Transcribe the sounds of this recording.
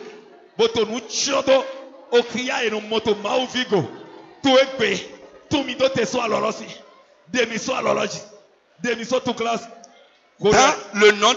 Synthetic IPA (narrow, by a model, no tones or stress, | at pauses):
bot̪onũt͡ʃɔ̃t̪ookɾiaenũmɔ̃t̪omãwuviɡot̪oeɡ͡bet̪ũmĩt̪ot̪esualɔlɔsi | demĩsoalɔlɔd͡ʒi | demĩsot̪ũklasi | kolonɔ̃